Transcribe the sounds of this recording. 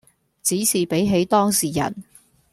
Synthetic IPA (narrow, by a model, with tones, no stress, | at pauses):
t͡siː˨˥siː˨˩pe˨˥jɦe˨˥jt̪ɔː˥ŋsiː˨˩jɐ̰˨˩n